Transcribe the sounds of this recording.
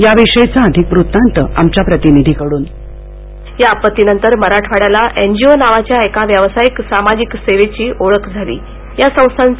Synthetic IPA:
jaʋiʂəjt͡saəd̪ʱikʋɾut̪ːant̪əa̰mt͡ɕapɾət̪inid̪ʱikəɽuːn | japət̪ːinənt̪əɾməɾaʈʰʋaɽalaʔend͡ʑionaʋat͡ɕjaekaʋjəʋsajiksamad͡ʑikseʋet͡ɕiːʔoɭəkd͡zʱalḭː | jasə̃w̃st̪ʰan

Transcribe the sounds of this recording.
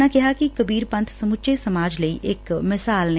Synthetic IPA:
akɪɦakikɐbiːɾpɐ̃nt̪ʰsɐmʊt͡ʃesɐmaːd͡ʒləiʔeːkmɪsaːlne

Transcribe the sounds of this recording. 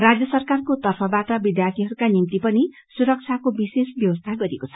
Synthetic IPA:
rad͡zjʌsʌrkarkot̪ʌrpʰʌbaʈʌbid̪jart̪ʰiɦʌɾukanimt̪ipʌni | suɾʌk̚t͡sʰakobisesbjʌbʌst̪ʰaɡʌɾiekot͡sʰʌ̥

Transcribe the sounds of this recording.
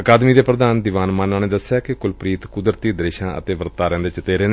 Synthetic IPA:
əkaːd̪miːd̪eːpɾəd̪aːnd̪iːʋaːnmãːnaːneːd̪əsejaːkɪkʊlpɾiːt̪kʊd̪ɾt̪iːd̪ɾeːʃãːʔə̰t̪eːʋəɾt̪aːɾɛ̃ːnd̪eːt͡ʃɪt̪eːɾeːneː

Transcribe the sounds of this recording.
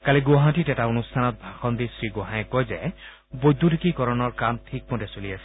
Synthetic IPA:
kaliɡoɦãtitɛtaonustʰanɔt̚bʱaxɔnd̪isɹiɡoɦãjɛkojzɛ | bojd̪ʱudikikɔɹɔnɔɹkamtʰik̚modɛsoliasɛ̥

